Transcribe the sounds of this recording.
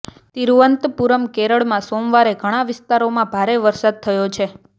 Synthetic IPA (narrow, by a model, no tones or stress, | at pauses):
t̪iɾuʋənt̪puɾəmkeɾəɭmãsomʋaɾeɡʱəɽ̃ãʋɪst̪aɾomãbʱaɾeʋəɾsad̪̚t̪ʰəjot͡ʃʰe